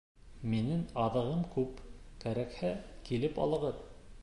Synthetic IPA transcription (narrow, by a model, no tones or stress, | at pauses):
minɘŋɑðɤ̆ʁɤmkʉpkæɾækhækilɘpɑ̰lˠɤ̆ʁɤð